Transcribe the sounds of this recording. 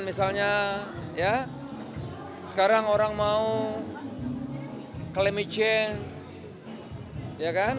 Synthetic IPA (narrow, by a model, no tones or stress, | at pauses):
nmisalɲaja | sə̥kaɾaŋoɾaŋmau | kəlemit͡ʃɪŋ | jakan